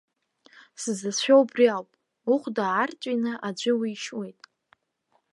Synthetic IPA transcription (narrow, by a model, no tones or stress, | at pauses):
sɨzɨsʃʷᶣowbriawpʼ | uχʷdaːrt͡sʼinɨʔad͡ʒʷɪwiːʃwe̞jtʼ